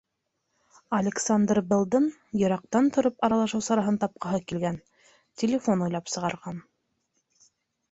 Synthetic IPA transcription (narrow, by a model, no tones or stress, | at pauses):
ɐlʲɪksand̪rbɤ̆lˠd̪ɤn | jɤ̆ɾɑq̚t̪ɑnt̪ŏɾopɑɾɑlˠɑʃɤwsɑɾɑɦɤnt̪ɑp̚qɑɦɤkilɡæn | tʲɪlʲɪfo̞nujlˠɑpsɤ̆ʁɑɾʁɑn